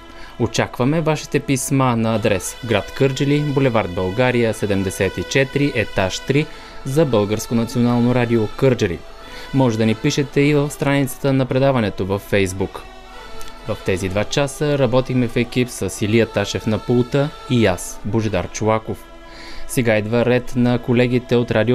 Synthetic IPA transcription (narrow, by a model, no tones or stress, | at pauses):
ot͡ʃakvəmɛvaʃi̥t̪ɛpismanɐːd̪ɾɛsɡɾat̪kɤɾd͡ʒəlibolɛvaɾd̪̚bɐlˠɡaɾijəsɛd̪ɛmd̪ɛsɛt̪it͡ʃɛt̪ɾiʔɛt̪aʃt̪ɾi | zɐbɤlˠɡəɾskonɐt̪sionalˠnoɾad̪iokɤɾd͡ʒəlḭ | mɔʒɛd̪ɐnipiʃɛt̪ɛivəfst̪ɾanit̪sə̥t̪ənɐpɾɛd̪avɐnɛt̪ovɐfːɛjzbuk | vəft̪ɛzid̪vat͡ʃasəɾɐbɔt̪ixmɛfɛk̟ipsəsilijət̪aʃɛfnɐpulˠt̪ə | ijasboʒd̪aɾt͡ʃʊakof | sɛɡaɛd̪vaɾɛt̪nɐkolɛɡ̟ʲit̪ɛot̪ɾad̪io